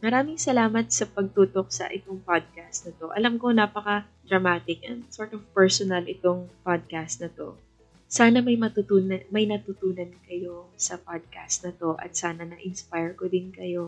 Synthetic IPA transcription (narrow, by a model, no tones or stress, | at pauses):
mɐɾaːmɪŋsɐlaːmɐt̪̚sɐpɐɡ̚t̪uːt̪o̞k̚sɐ̰ʔɪt̪oŋpad̪̚kast̪̚nɐt̪o̞ʔɐlɐmko̞naːpɐkɐ | d̪ɾɐmaːt̪ɪkʔɛnd̪soɹt̪ovpɛɹsonɐlʔɪt̪oŋpad̪̚kast̪nɐt̪o̞̰ | saːnɐmɐjmɐt̪ʊt̪uːnmɐjnɐt̪ʊt̪uːnɐnkɐjo̞sɐpad̪̚kast̪̚nɐt̪o̞ʔɐ̰t̪̚saːnɐnɐʔɪnspajɹkod̪ɪnkɐjo̞